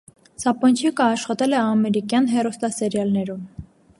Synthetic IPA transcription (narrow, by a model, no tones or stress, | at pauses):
sɑpɔnt͡ʃʰikɑːʃχɑt̪ɛlɛɑmɛɾikjɑnɦɛrust̪ɑsɛɾjɑlnɛɾum